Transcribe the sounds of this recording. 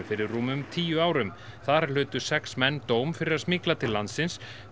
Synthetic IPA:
fɪɾɪrruːmʏmt̪ʰiːjʏaːwɾʏm | θaɾl̥ʏːt̪ʏ̥sɛksmɛnːt̪oːwmfɪɾɪɾaðsmɪklat̪ʰɪlːant̪sɪns

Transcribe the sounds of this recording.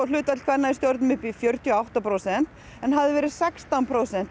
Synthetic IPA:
lʏːt̪ɛt̪l̥kʰanaɪst̪jowɾt̪nʏmʏhpɪfjœɾ̥t̪ʰjiawht̪apɾowsɛn̥t̪ | ɛnɦaðɪvɛːɾɪðsɛkst̪anpʰɾoːwsɛn̥t̪

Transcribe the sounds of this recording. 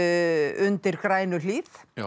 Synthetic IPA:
ʏnt̪ɪɾ̥kɾaːjnʏliːθ

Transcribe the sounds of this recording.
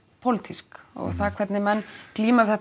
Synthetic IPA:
pʰowlɪt̪ʰiskɔ̰ɣθaðkʰvɛt̪nɪmɛnːkliːmḁθɛht̪

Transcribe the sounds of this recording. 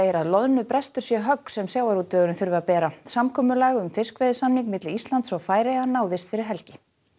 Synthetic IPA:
ɛɾaðlɔðnʏpɾɛst̪ʏɾ̥sjɛɦœksɛmsjaːwaɾut̪ːœːɣɾʏnθʏɾvapɛːɾasamkʰɔːmʏlaːɣʏmfɪrskvɛðɪsamniŋkmɪt̪lɪist̪lant̪sɔwfaːjɾeɣanaːwðɪst̪fɪɾɪɾ̥ɦɛlcɪ

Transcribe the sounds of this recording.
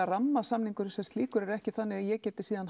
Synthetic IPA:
aramːasamniŋkʏɾsɛmst̪liːkʏɾɛɾɛhcɪθanːɪɣajɛɣcɛːt̪ɪ̥siːðan

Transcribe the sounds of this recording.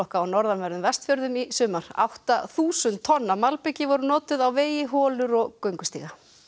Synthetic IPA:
ɔwhkaːwnɔɾðanvɛɾðʏmvɛst̪fjœɾðʏmisʏːmaɾ̥a̰wht̪aθuːsʏnt̪ʰːɔnːamalpecɪvɔɾʏnɔːt̪ʏðawveːjɪɦɔːlʏɾɔɣkœɥŋkʏst̪ḭːɣa

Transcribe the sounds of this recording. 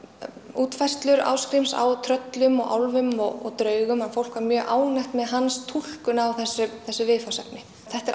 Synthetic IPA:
uːt̪fajr̥st̪lʏɾa̰ːwskɾimsa̰wt̪ʰɾœt̪lʏmɔɣʔa̰wlvʏmɔɣɔ̰ɣt̪ɾœːɥɣʏmanfowl̥kvaɾmjœːɣʔaːwnajhxt̪mɛðɦanst̪ʰul̥kʏnawθɛsːʏθɛsːʏvɪːfasap̚nɪ | θɛht̪ɛɾ

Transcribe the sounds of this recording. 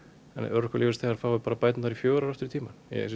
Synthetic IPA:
ɛ̰nœɾkʏliːvɪst̪θɛɣaɾ̥θawvɛɾpaːɾapajt̪naθaɾifjoːɾaɾɛft̪ɪɾt̪ʰiːmanjɛ̰s

